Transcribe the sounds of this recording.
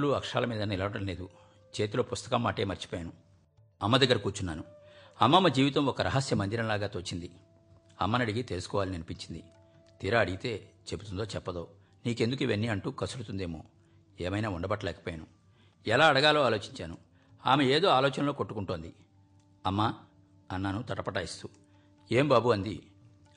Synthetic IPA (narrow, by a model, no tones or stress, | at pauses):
luɐkʂa̰ːlɐmiːd̪ɐnilɐʋɐɽɐmle̞ːd̪u | t͡ʃe̞ːt̪ilo̞ːpust̪ɐ̥kɐmːaːʈe̞ːmɐɾt͡ʃi̥poːjanu | ɐmːɐd̪ɐɡːɐɾkuːɾt͡ʃunːaːnuɐmːɐmːɐd͡ʒiːʋit̪ɐmɔkɐɾɐɦɐsjɐmɐnd̪iɾɐmlaːɡaːt̪oːt͡ʃind̪i | ɐ̰mːɐnɐɽiɡit̪elusu̥kɔːʋaːlinɐnipiɲt͡ʃind̪i | t̪iːɾɐɐɽiɡit̪e̞ːt͡ʃe̞but̪und̪oːt͡ʃɛpːɐd̪o̞ː | niːkend̪ukuiʋenːiɐɳʈuːkɐsuɾut̪und̪eːmo̞ː | eːmɐjnaːuɳɖɐbɐʈːɐlɛːkɐ̥poːjanu | ɛlaːɐɽɐɡaːloːaːlo̞ːt͡ʃiɲt͡ʃaːnu | aːmeeːd̪oːaːlɔːt͡ʃɐnɐlo̞ːkoʈːu̥kuɳʈond̪i | ɐmːɐ | ɐnːɐnut̪ɐʈɐpɐʈaːist̪u | eːmbaːbuɐnd̪i